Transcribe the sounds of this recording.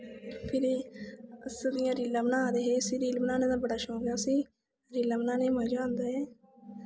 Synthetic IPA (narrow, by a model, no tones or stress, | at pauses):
pʰɪɾiəsd̪ɪjãːɾiːlãːbənãːaːd̪eːɦeːsiːɾiːlbənaːnẽːd̪aːbəɽaːʃõːɡjaːsiː | ɾiːlãːmənãːneːməd͡ʒãːnd̪aːɦeː